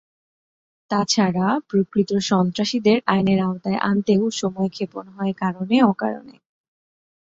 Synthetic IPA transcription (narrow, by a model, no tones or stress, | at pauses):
t̪at͡ɕʰaɾapɾokɾit̪oʃɔnt̪ɾaʃid̪eɾajneɾaot̪aeʔant̪ewʃɔmɔekʰeponɦɔekaɾoneɔka̰ɾo̰nḛ